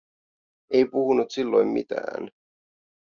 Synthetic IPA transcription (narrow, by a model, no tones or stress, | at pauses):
ejpuhunut̪silːo̞jmːḭt̪æ̰ːn